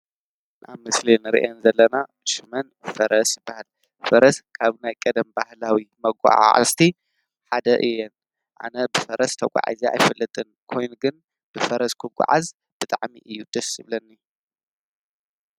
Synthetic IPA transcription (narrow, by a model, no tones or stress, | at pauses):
nʔa̰βmɨslinɨɾiʔɛnzɐlːɐna | ʃɨmɐnfɐɾɐsjɪbːahal | fɐɾɐskʰaβnajkʼɐd̪ɐmbahlawimɐɡʷʼa̰ʕ̰a̰st̪ʰi | ħad̪ɐʔɨjːɛn | ʔa̰nɐbɨfɐɾɐst̪ʰɐkʷʼa̰ʕa̰zia̰jfɨlːɐt̪ʼɨnkʰo̞jnuɡɨn | b̥ɨfɐɾɐskʰɨɡʷʼa̰ʕa̰z | b̥ɨt̪ʼaʕmḭʔɨjːud̪̥ɐsɨβlɐnːi